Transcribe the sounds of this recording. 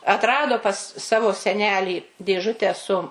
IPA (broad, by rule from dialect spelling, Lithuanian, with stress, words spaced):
ɐtˈrɑːdoː pɐs ˈsɑːʋoː sʲɛˈnʲæːlʲiː dʲeːˈʒʊtʲæː sʊ